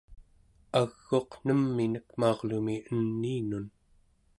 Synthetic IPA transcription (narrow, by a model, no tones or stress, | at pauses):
aɣːo̞qn̥əmːinəkmɑːʁlumiənːiːnun